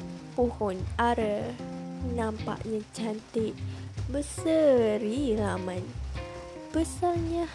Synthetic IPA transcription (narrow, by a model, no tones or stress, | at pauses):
puhʊnaɾə | nampa̰ʔɲət͡ʃant̪iʔbəsəɾiɾamãn | bəsaɲə